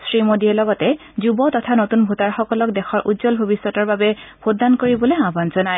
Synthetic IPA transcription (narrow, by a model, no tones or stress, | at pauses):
sɹimodiɛlɔɡɔtɛ | zubɔtɔtʰanotunbʱutaɹxɔkɔlɔk̚dɛxɔɹʔutzɔlbʱobisːɔtɔɹbabɛb̥ʰʱodːankoɹibɔleãbanzɔnaj